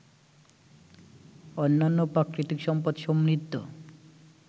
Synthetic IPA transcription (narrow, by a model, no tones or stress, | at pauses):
ɔnːanːopɾakɾit̪ikʃɔmpad̪ʃomnit̪ːo̰